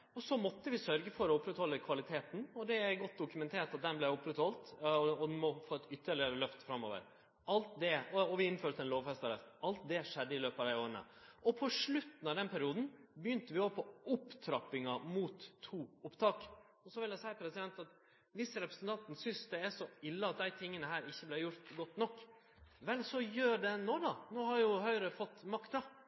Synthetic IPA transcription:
ɔsɔmɔt̪ːəʋɪsœɾɡəfɔɾɔʊpːɾɛt̪hɔlːəkʰʋɑlɪt̪ʰeːt̪nɔd̪ɛæɾɡɔt̪̚ːd̪ʊkʉmɛnt̪ʰeːʈɑt̪̚d̪ɛnblɛʊpːɾɛt̪hɔlt̪ɔd̪mɔfoːɛt̪ʏt̪ːəɭɪəɾəlœft̪fɾɑmːo̰ːʋə̰ɾ | ɑlt̪d̪ɛɔɔʋɪɪnːføːɾt̪ʰːɛnloːʋfɛst̪ɑɾəsʔɑlt̪̚d̪ɛʂɛd̪ːəɪløːpɑʋd̪æɪoːɾəɳə̰ʔɔpʰɔʂɭʉt̪ːn̩ɑʋd̪ɛnpʰæɾɪuːd̪n̩bəjʏnt̪əʋɪoːpʰɔʊpːt̪ʰɾɑpːɪŋɑmuːt̪ʰːuːʊpt̪ʰɑːk | ɔsɔʋɪljæsæɪpʰɾɛsɪd̪ɛnt̪ɑt̪ | ʋɪsəɾɛpɾəsən̩t̪ɑnt̪nsʏnsd̪ɛæʂɔɪlːəɑt̪̚d̪æɪt̪ʰɪŋːənəɦæːɾɪçːəblæjʊɾt̪ɡɔt̪ːnɔkː | ʋɛlsɔjøːɖɛnoːd̪ɑnoːhɑɾjʊɦœʏɾəfɔt̪ːmɑkt̪ɑ

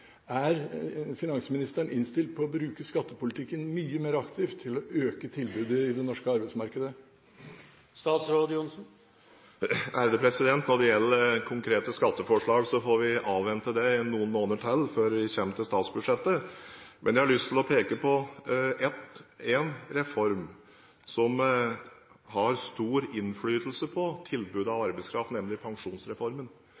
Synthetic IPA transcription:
æɾfɪnɑŋsəmɪnɪst̪əɳɪnst̪ɪlt̪̚pʰɔːɔbɾʉːkəskɑt̪ːəpʊlɪt̪ʰɪkːənmyːəmeːɾɑkt̪ʰɪːft̪ʰːɪlɔʔøːkət̪ʰɪlbʉːd̪əɪd̪ɛnɔʂkəɑɾbæɪsmɑɾkəd̪ə | st̪ɑːt̪sɾoːd̪jʊnsn̩ | æɾd̪əpʰɾɛsɪd̪ɛnt̪nɔɖɛjɛlːəɾkʰʊŋkʰɾeːt̪əskɑt̪ːəfɔʂɭɑːɡsɔfɔɾʋɪʔɑːʋʋɛnt̪əd̪ɛnːuːənmoːnəʈʰɛlːføːɾʋɪçɛmt̪əst̪ɑːt̪sbʉd̪ʂɛt̪ːəmʔɛnjæhɑɭʏst̪ʰɪlɔpʰeːkəpʰɔɛt̪ɛnɾɛfɔɾm | sɔm | hɑɾst̪uːɾɪnflyːt̪l̩səpʰɔt̪ʰɪlbʉd̪ɑʋɑɾbəɪskʰɾɑft̪nɛmlɪpʰɑŋʂuːnsɾɛfɔɾmən

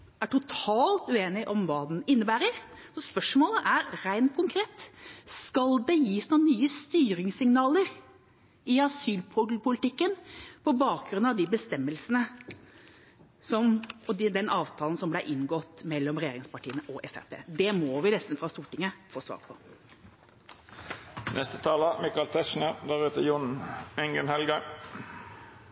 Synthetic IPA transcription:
æʈʊt̪ʰɑːlt̪ʉeːnɪʔɔmʋɑːd̪n̩ɪnːəbæːɾəɾsɔspœʂmoːləʔæɾɾæɪnt̪̚kʰʊŋkʰɾeːt̪skɑld̪ɛjiːsnuːnənyːəst̪yːɾɪŋsɪŋnɑːləɾ | ɪɑsyːlpʰʊpʰʊlɪt̪ɪkːənpʰɔbɑːk̚ɡɾʉnɑʋd̪ɪbəst̪ɛmːəlsənə | sɔmɔd̪d̪ɛnʔɑːʋt̪ʰɑːlən̩sɔmblæʔɪnɡɔt̪ːmɛlːɔmɾɛjeːɾɪŋspɑʈʰiːənəʔɔʔɛsæ̰pʰḛːd̪ɛmɔʋɪnɛst̪n̩fɾɑst̪uːʈɪŋːəfoːsʋɑ̰ːɾpʰɔ | nʔɛst̪ət̪ʰɑːləmɪkɑlt̪ʰɛʃɳəd̪æʁʉːt̪əjʊnɛŋɡənhɛlɡɑ

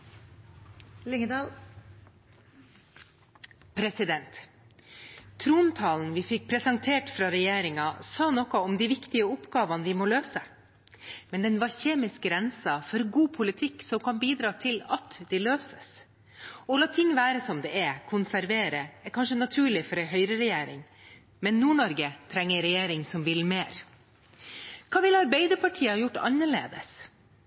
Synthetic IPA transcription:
lɪŋ | pʰɾɛsɪd̪ɛnt̪ | t̪ʰɾuːnt̪ʰɑːln̩ʋɪfɪk̚ːpʰɾɛsɑŋt̪ʰeːʈfɾɑɾɛjeːɾɪŋɑsɑːnɔkɔɔmd̪iʋɪkt̪ɪəʊpɡɑːʋɑnʋɪmoːløːsə | mɛnd̪ɛnʋɑɾçeːmɪsk̚ɡɾɛnsɑfɔɾɡuːpʰʊlɪt̪ʰɪkːsɔmkʰɑnbiːd̪ɾɑːt̪ʰɪlɑt̪d̪ɛløːsə̥s | ɔlɑːt̪ʰɪŋːʋæːɾəsɔmd̪ɛɛkʰʊnsæɾʋeːɾəɛɾkʰɑnʂənɑt̪ʰʉːɭɪfɔɾɛɦœʏɾəɾɛjeːɾɪ̰ŋ | mɛnːuːɳɔɾɡət̪ʰɾɛŋːəɾɛjeːɾɪŋsɔmʋɪlmeːɾ | kʰɑːʋɪlɑɾbɛɪd̪əpʰɑʈʰiːəɑjʊʈːɑ̰nːəɭḛːd̪əs

